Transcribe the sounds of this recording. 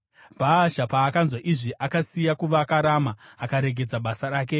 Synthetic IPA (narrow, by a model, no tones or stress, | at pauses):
bʱaʃapaːkanzwaʔiʐiʔakasijakuʋakaɾamaːkaɾe̞ɡʱe̞d͡zaɓasaɾaːk̬e̞